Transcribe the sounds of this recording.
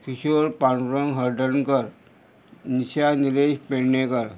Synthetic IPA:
kʰiɕoɾpaɳpɾəŋɦəɾɖənkəɾ | niɕaniɾeɕpeɽnekəɾ

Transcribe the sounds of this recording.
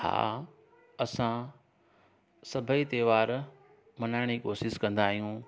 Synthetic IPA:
ha̰ː | ɐsã | sɐbʱəit̪eːʋaːɾ | mɐnaːɪɽ̃ikoːsɪskɐ̃nd̪aːɦijũ

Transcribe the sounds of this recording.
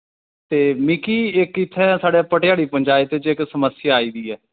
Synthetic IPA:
t̪eːmɪkiːɪkɪt̪ʰːɛ̃ːsaːɽeːpəʈɪjaːɽiːpəɲd͡ʒaːɪt̪t͡ʃɪksəməsɪjaːiːd̪iːɛː

